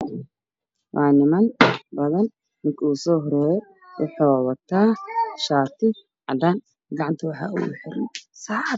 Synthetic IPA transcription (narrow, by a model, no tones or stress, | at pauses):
wʔɑːnɪmɐnbɐðɐn | mɪkʰuːsɔːɦɔɾɛːjɛ | wʊħuːwɐt̪ʰaːʃaːt̪ʰɪ | ʕɑ̰d̪aːn | ɡɑʕɑnt̪ʰɐwɑħɑ̰ːʔʊ̰ɣʊ̰ħɪɾnsaʕ